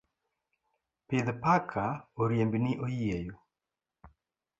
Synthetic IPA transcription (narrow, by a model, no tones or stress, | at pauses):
pɪðpakʰaoɾjembinɪʔojejo